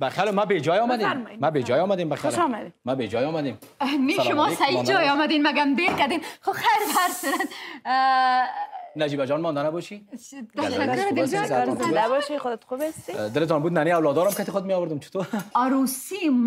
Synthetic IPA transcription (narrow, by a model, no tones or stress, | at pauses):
baxjalmabed͡ʒɔjɔmad̪eɾmmabed͡ʒɔjɔmad̪embaxjalʃmad̪emabed͡ʒɔjɔmad̪em | meʃʊmɔsajid͡ʒɔjɔmad̪enmaɡamd̪eɾkad̪emxoxajɾbaɾsɪɾas | nad͡ʒibad͡ʒɔnmɔnd̪anabɔʃit̪aʃaʊɾd̪ɪzɾd̪abɔʃixʊd̪ɪt̪xubast̪id̪ɪlɪt̪̬ɔnbud̪naneawlɔd̪ɔɾamkat̪exʊd̪̚meɔwəɾd̪ʊmt͡ʃʰɪ̥t̪ʰoaɾosim